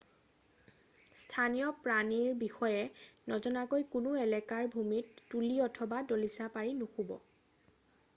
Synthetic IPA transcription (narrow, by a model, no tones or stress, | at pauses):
stʰanijɔpɹaniɹbixɔjɛnɔzɔnakojkunuɛlɛkaɹbʱumitːuliɔtʰɔbadolisapaɹinuxubɔ̰